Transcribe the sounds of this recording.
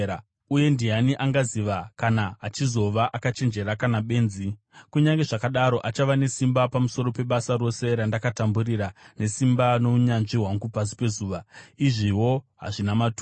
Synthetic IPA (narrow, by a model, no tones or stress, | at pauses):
uje̞ndijaniʔaŋɡaziʋakanaːt͡ʃizo̞ʋaʔakat͡ʃe̞nd͡ʒe̞ɾakanaɓe̞ːnzi | kuɲaŋɡe̞ʐakaɗaɾo̞ʔat͡ʃaʋane̞simbapamuso̞ɾo̞pe̞ɓasaɾo̞se̞ɾandakatamburiɾane̞simbano̞uɲanʐiɦwaŋɡupas̬i̥pe̞zuːʋaiʐiwo̞ɦa̰ʐinamatu